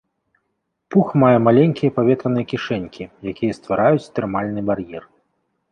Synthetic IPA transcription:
puxmajɛmalʲɛnʲkʲijɐpavʲɛt̪ɾɐnɨjɐkʲiʂɛnʲkʲijakʲijɐst̪vaɾajut͡sʲt̪ɛrmalʲnɨbarjɛr

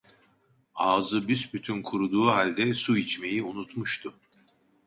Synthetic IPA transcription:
aːzɯbysbyt̪ʰynkʰuɾud̪uːɦalʲd̪ɛsuit͡ʃme̞jiunut̪muʃt̪ʰʊ

